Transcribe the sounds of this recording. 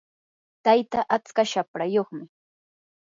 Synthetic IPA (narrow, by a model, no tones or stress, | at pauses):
t̪ajt̪aʔat͡skaʃapɾajoχmɪ